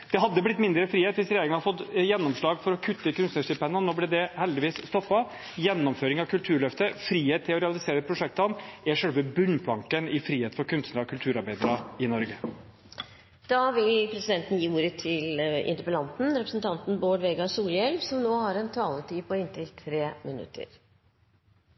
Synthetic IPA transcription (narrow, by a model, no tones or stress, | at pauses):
d̪̥ɛɦɑd̪ːəblɪt̪ːmɪnd̪ɾəfɾiːheːt̪ʋɪsɾɛjeːɾɪŋənhɑd̪əfɔt̪ːjɛnːɔmʂɭɑːɡfɔɾɔkʰʉt̪ːəkʉnsnəʂɪpɛnːənoːblɛd̪ɛhɛld̪ɪʋiːsst̪ɔpːɑ | jɛnːɔmføːɾɪŋɑʋkʰʉlt̪ʰʉːɾɭœft̪əfɾiːheːt̪ʰːɪlɔɾɛɑlɪseːɾəpʰɾʊʂɛk̚t̪ɑnɛʂœlʋəbʉnːpʰlɑŋkənɪfɾiːheːt̪fɔɾkʰʉnst̪nəɾɔkʰʉlt̪ʰʉːɾɑɾbæɪd̪ɾɑɪnɔɾɡə | d̪̥ɑːʋɪlpʰɾɛsɪd̪ɛnt̪n̩jiːuːɾət̪ʰɪlɪ̰nt̪əɾpəlɑnt̪n̩ɾɛpɾəsnt̪ʰɑnt̪n̩boːɖʋeːɡɑsuːljɛlʋsɔmnoːhɑɾɛnt̪ʰɑːlət̪ʰiːpʰɔɪnt̪ɪlt̪ʰɾeːmənʉ̰t̪ʰːə̰ɾ